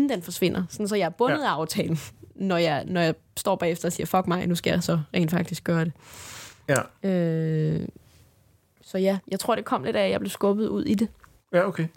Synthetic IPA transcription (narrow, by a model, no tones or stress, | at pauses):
d̥enfɒ̽sʋe̝n̰ɐsɒnsɒ̽jɑ̈æɐb̥ɔ̽ð̞̩ˠɑ̈ʊt͡sʰɛ̰ːln̩nɒjɑ̈ɪnɒjɑ̈ɪ | sd̥ɒ̰ːb̥ɛ̰ːefd̥ɐɒ̽siːɐfɒ̽ɡ̥̚mɑ̈ɪnusɡ̥æjɑsɒ̽ʁɛ̰ːnd̥fɑ̈ɡ̥̚d̥isɡ̥ɶːɐɾ̥e̝ | ø | sɒ̽jæjɑɪt͡sʰʁo̝ɐ̰d̥e̝kʰɒ̽m̰le̝dɾæjɑb̥le̝ʊsɡ̥ɔ̽b̥ð̩ˠuð̞̰ˠid̥e̝ | jokʰe